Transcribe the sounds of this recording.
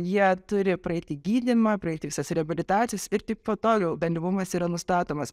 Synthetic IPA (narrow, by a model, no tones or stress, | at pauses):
jiɛt̪ʊɾʲɪpɾɐɛɪt̪ʲɪɡʲiːd̪ʲɪmɐpɾɐɛɪt̪ʲɪʋʲɪsɐsɾʲɛɐbʲɪlʲɪt̪ɑːtt͡ssʲɪjɛsɪɾt̪ʲɪppoːt̪oːɡʲɛʊbʲɛnʲd̪ʲɾʲɪʋʊmɐsiːɾɐnʊst̪ɑːt̪oːmɐs